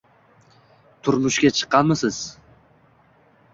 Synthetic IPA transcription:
t̪ʰʊɾmʊʃkʲat͡ʃʰɨ̥qʰːɑnmɪsɪz̥

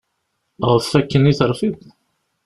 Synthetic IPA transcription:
ʁəθfːækːəniθəɾˤfið

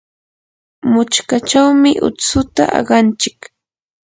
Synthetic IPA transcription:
mʊt͡ʃkat͡ʃawmɪʔʊ̰t͡sʊt̪a̰ʔɑ̰ɢɑnt͡ʃɪk

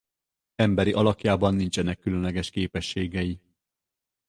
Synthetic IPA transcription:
ɛmbɛɾiʔɒlɒkjaːbɒnːint͡ʃɛnɛkːylønlɛɡɛʃkeːpɛʃːeːɡɛji

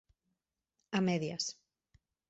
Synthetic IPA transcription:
amɛðja̰s

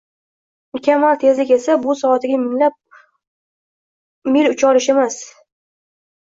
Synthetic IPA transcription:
mʊkʲamalt̪ʰe̞zlɪkʲe̞sabʊsɒat̪ɪɡʲamɪŋlap̚ | mɪlʊt͡ʃʰɒɾɪʃe̞mas

